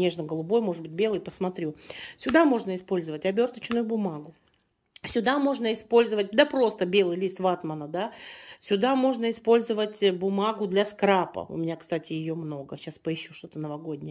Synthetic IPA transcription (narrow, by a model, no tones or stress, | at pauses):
nʲe̞ʐnəɡəlˠʊbo̞jmo̞ʐɨd̪̚bɨt̚ʲbʲe̞lˠɨjpəsmɐt̪ɾʲusʲʊd̪amo̞ʐnəɪspo̞lʲzəvətʲɐbʲo̞rt̪ət͡ɕnʊjʊbʊmaɡʊ | sʲʊd̪amo̞ʐnəɪspo̞lʲzəvət̚ʲd̪apɾo̞st̪əbʲe̞lˠɨjlʲist̪vat̪mənəd̪asʲʊd̪amo̞ʐnəɪspo̞lʲzəvətʲbʊmaɡʊd̪lʲɐskɾapə̰ʊ̰mʲɪnʲakst̪atʲɪjɪjo̞mno̞ɡəɕaspəɪɕːuʂt̪o̞t̪ənəvɐɡo̞dʲnʲɪj